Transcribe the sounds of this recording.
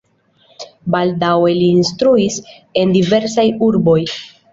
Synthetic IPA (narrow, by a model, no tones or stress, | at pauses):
baldawe̞liːnstɾuis | e̞ndive̞ɾsajuɾbo̞j